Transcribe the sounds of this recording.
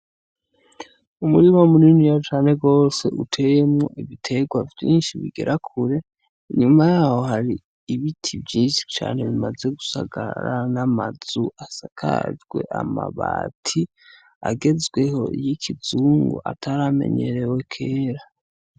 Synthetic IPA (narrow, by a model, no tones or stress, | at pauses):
umuɾimamuninijat͡ʃaːne̞ɡo̞ːse̞ʔutʰe̞jemŋo̰ʔiβitʰe̞ɡwavjḭːnʃiβḭɡe̞̰ɾʔakʰuɾe̞ | iɲumajaːho̞haɾiː | βitʰivjiːnʃi̥t͡ʃa̰ːne̞βimaze̞ɡusa̰ɡa̰ɾanamaz̥uasakʰa̰d͡ʒɡwe̞ʔa̰maβa̰ːtʰi | a̰ɡe̞zɡwe̞ho̞̰ḭjikʰizuːŋɡo̰ʔa̰tʰaɾame̞̰ɲe̞̰ɾe̞we̞kʰe̞ːɾa